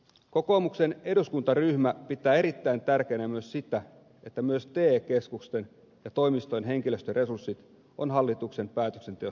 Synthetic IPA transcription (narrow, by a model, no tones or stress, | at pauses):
ko̞koːmukse̞ne̞duskunt̪ɑryhmæpit̪ːˑæːe̞ɾit̪ːæint̪ærkeːnæmyøssit̪æ | e̞t̪ːæmyøst̪eːke̞skukst̪en | jɑt̪o̞ijmist̪ojnɦe̞ŋkiløst̪øre̞sursːit̪ | onɦɑlːit̪ukse̞mpæːt̪ø̥kse̞nt̪eo